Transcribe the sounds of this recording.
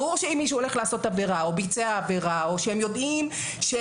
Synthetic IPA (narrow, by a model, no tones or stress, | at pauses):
ʁuʁʃeimːiʃ̬uole̞χlahaso̞tave̞ʁao̞bit͡seaːve̞ʁaoʃeemjo̞dʔim | ʃe